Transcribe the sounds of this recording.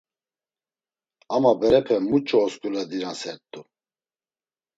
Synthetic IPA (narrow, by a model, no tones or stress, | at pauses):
amabɛɾɛpʰɛmut͡ʃʼɔːskʼulɛd̪iɾansɛɾt̪ʼu